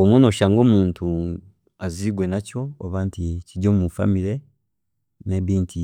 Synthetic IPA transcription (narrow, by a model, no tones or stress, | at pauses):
omwonoʃaːŋɡo̞ːmuːntʰu | aziɡwe̞naco̞oβaːnticiɟomumufa̰miɾe | neβiːntʰi